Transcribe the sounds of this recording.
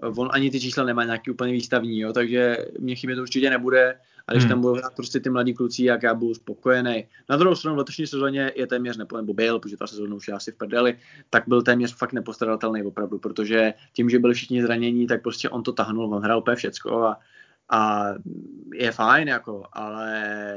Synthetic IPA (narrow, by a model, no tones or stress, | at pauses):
vonʔaɲɪt̪ɪt͡ʃiːslanɛmaːɲaːkiːuːpəɲɛviːst̪avɲiːjo̞ːt̪aɡʒɛmɲɛxɪbjɛt̪ouɾt͡ʃɪcɛnɛbudɛ | ʔaɡdɪʃt̪ambudowɦɾaːt̪̚pɾoscɛt̪ɪmladiːklut͡sɪjakjaːbɪduspo̞ko̞jɛnɛj | nad̪ɾuhɦowst̪ɾanuvlɛt̪oʃɲiːsɛzoːɲɛjɛt̪ɛːmɲɛrnɛpnɛbo̞bɪlpɾotoʒɛt̪a̰sɛzoːnauʃjɛlaasɪfpr̩dɛlɪt̪aɡ̚bɪlt̪ɛːmɲɛrfakt̪nɛpo̞st̪ɾadat̪ɛlnɛjvo̞pɾavdupɾot̪oʒɛcɪmʒɛbɪlɪfʃɪxɲɪzɾaɲɛɲit̪ak̚pɾo̞scɛʔo̞nt̪o̞t̪aɦnulvonɦɾaːlupəɲɛfʃɛt͡sko̰a | ʔa | jɛfajnjako̞ʔa̰lɛ